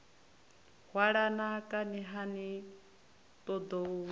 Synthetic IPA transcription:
hwaɺanakʼaniɦani | t̪ɔd̪ɔu

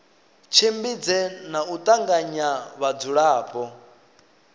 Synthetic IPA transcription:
t͡ʃʰimbid͡zɛnaut̪ʼaŋɡaɲaβad͡zuɺaːpʼɔ

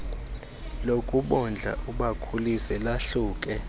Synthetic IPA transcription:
lokʼuɓɔnd͡ɮʱa̰ʔuɓakʰulisɛlaɬuːkʼɛ

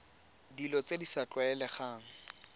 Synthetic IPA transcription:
dilɔt͡sʼedisat͡ɬwaɛlɛχaːŋ̩

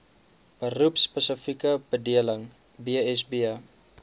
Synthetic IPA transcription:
b̥ərupspəsəfikəbədiələŋ | biɛs̬biə

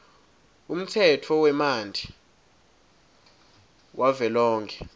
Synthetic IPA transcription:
um̩tʰɛtʰɔwɛmandʱi | wʔavɛlɔːŋkʰɛ

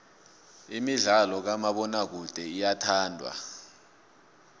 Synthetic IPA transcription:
imiɮalɔk̬amaɓɔnak̬ud̥ʱɛijatʰaːndʱwa̰

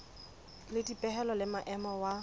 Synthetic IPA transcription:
lɪdipʼɛɦɛlɔlɪmaʔɛmɔwa

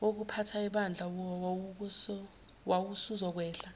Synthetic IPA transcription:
ok̬upʰatʰaɛɓand͡ɮʱa | wʔawusuzɔk̬wɛːɬa

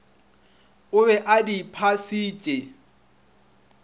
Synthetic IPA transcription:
ʊbɛʔadipʰasiːt͡ʃʼe

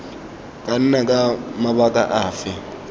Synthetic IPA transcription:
kʼan̩nak̬ʼamaɓakʼaʔaːfɛ

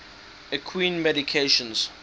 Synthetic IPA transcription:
əkʰwĩːnmɛɾikʰeʃɔ̃ns

